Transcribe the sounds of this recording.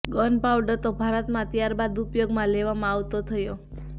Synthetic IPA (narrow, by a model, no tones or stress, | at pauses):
ɡənpawɖəɾt̪obʱaɾət̪mãt̪jaɾbad̪upjoɡmãleʋamãːʋt̪ot̪ʰəjo